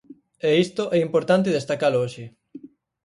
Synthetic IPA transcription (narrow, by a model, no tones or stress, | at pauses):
eist̪oʔɛimpoɾt̪ant̪̬ɪðest̪akalooʃɪ